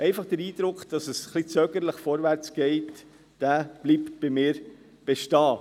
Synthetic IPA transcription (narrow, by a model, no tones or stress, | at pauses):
ʔɛɪfɑχd̥əɾiːd̥̪ɾʊkχd̥ɑsəsχlit͡søːɡəɾləχfɔɾʋæɾt͡sɡ̥ɛɪt | d̥æb̥liːptb̥ɪmiːɾ | b̥eʃtɑː